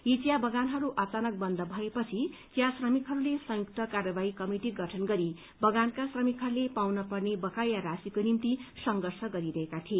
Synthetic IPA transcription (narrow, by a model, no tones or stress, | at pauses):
id͡zjabʌɡanɦʌɾuʔʌt͡sanʌk̚bʌnd̪ʱʌbʱʌepʌt͡sʰit̪jasrʌmikɦʌɾulesʌ̃juk̚t̪ʌkarʌbaikʌmiʈiɡʌʈʰʌnɡʌɾi | bʌɡankasrʌmikɦʌɾulepawnʌpʌrnebʌkajaɾasikonimt̪isʌŋɡʌrsʰʌɡʌɾiɾʌɦekat̪ʰie